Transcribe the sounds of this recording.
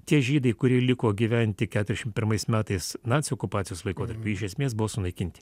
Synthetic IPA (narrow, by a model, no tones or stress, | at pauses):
t̪ʲiɛʒʲiːd̪ɐɪkʊɾʲiɛlʲɪkoːɡʲiːʋʲænʲt̪ʲɪkʲæːt̪ɾʲɛʃʲɪmnt̪ʲpʲɪɾmɐɪsmʲæːt̪ɐɪsnɑːt̪sʲɪoːkʊpɑːt̪sʲɪjoːslˠɐɪkoːt̪ɐɾʲpʲuɪʃʲɛsʲmʲeːsbʊʋoːsʊnɐɪkʲɪnʲt̪ʲɪ̥